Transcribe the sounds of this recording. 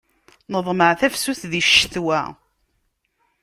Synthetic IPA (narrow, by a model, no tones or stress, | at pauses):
nəðˤməʕθæfsuθðiʃːθwæ